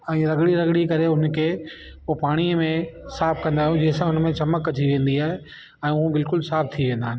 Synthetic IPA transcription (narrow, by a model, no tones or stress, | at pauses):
ɛ̃ːɾɐɡɽiɾɐɡɽikɐɾeɦʊnkʰeː | opaːɽ̃iəmẽsaːpkɐ̃nd̪aːijũd͡ʑeːsãʊnmẽt͡ɕɐməkːɐd͡ʑʰiʋẽːnd̪iaːɦe | ɛ̃ːʊɦũbɪlkʊlsaːb̚t̪ʰiʋẽːnd̪aːɦɪn